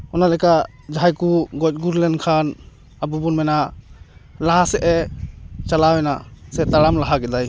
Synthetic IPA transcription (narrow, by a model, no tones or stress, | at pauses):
ɔnalajka | d͡ʒaɦajkuɡɔt̚ɡuɾlɛnkʰan | abubunmɛna | laɦasɛʔɛt͡ʃalawɛnasɛt̪aɾamlaɦakɛdaj